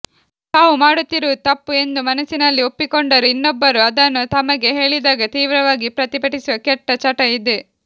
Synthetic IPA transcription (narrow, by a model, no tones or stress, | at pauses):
t̪aːʋumaːɽut̪ːiɾuːt̪ɐpːue̞nd̪umɐnɐsinɐlːiopːikoɳɖɐɾuinːɔbːɐɾuɐd̪ɐnːut̪ɐmɐɡe̞ɦe̞ːɭid̪aːɡɐt̪iːʋɾɐʋaːɡipɾɐt̪ibɐʈisuʋɐkɛʈːɐt͡ʃɐʈɐid̪e